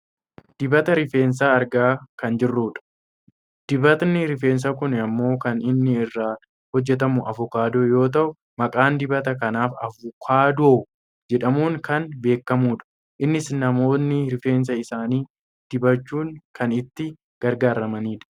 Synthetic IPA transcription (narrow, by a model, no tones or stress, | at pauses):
d̪̥ɪbɐt̪ɐɾɪfe̞ːns̬aːɐɾɡaːkɐnd͡ʒɪrːuːᶑɐ̥ | d̪̥ɪbɐt̪nɪɾɪfe̞ːns̬ɐkʊnɐmːo̞ːkɐnɪnːɪɪrːaː | hɔd͡ʒːɛt̪̬ɐmʊʔɐ̰fʊkaːd̪o̞ːjo̞ːt̪̬ɐʔʊ | mɐkʼaːnd̪ɪbɐt̪ɐkɐnaːfɐvʊkʰaːd̪oː | d͡ʒɛᶑɐmuːŋkɐnbe̞ːkːɐmuːᶑɐ̥ | ʔɪnːɪsnɐmo̞ːnːɪɾɪfe̞ːns̬ɐɪsaːniː | d̪̥ɪbɐt͡ʃːuːŋkɐnɪt̪ːɪ | ɡ̥ɐɾɡaːɾɐmɐniːᶑɐ̥